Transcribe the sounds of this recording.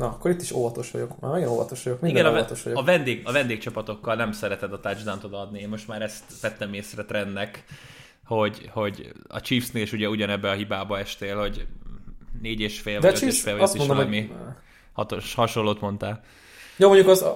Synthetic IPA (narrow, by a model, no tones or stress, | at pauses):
nɒɒkːoɾit̪ːiʃo̰vɒt̪o̞ʃʋɒ̰ɟokma̰mɛɡɛnovɒ̰t̪oʃʋɒo̞kminid̪ɛnɒt̪oʃʋɒɟoɒvɛnd̪eːɡɒvɛnd̪eːk̚t͡ʃɒpɒt̪o̞kːɒlnɛmsɛɾɛt̪ɛd̪ɒt̪ad͡ʒd̪ant̪od̪ɒd̪nieːnmo̞ʃt̪maːɾɛst̪ʋɛt̪ːɛmeːsrɛt̪rɛnːɛk | ho̞ɟho̞ɟɒ̰t͡ʃiːfsneːliʃuɟɛuɟɒnɛbːɛɒɦibaːbɒɛʃt̪eːlho̞ɟ | neːɟeːʃfeːlvɒɛøtt͡ʃieʃfeːlvɒst̪ːimonʃd̪ommi | hɒt̪oʃhɒʃo̞llːoːt̪mo̞nt̪aːl | jomoɲɟukɒz